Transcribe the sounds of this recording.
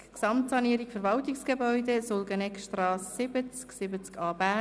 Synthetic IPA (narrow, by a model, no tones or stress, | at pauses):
ksɑmtsɑniəɾikfəɾʋɑltiksɡ̥ebœʏdesolɡənɛkʃtrɑːsːɪbət͡sksɪbət͡skɑːbæ